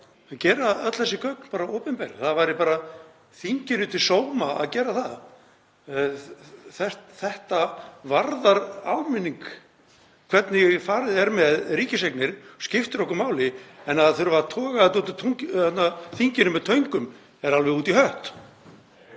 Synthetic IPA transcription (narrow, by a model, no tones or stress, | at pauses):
acɛːɾaðœt̪l̥θɛsɪkʰœk̚npaːɾaoːpɛmpɛɾθaðvajɾɪpaːɾa | θiɲcɪnʏt̪ʰɪlsoːwmaa̰ðcɛːɾaθað | θɛ̥t̪θɛht̪avaɾðaɾa̰wmɪnːiŋk | kʰv̥ɛt̪nɪfaːɾɪðɛɾmɛðɾiːcɪseknɪɾ̥scɪft̪ɾɔkʏmaːwlɪɛnːaðθœɾvaɾt̪ʰɔːɣat̪uːt̪t̪ʰuŋɛt̪naθiɲcɪnʏmɛðt̪ʰœɥŋkʏm | ɛɾalvɛɣuːt̪ihœht̪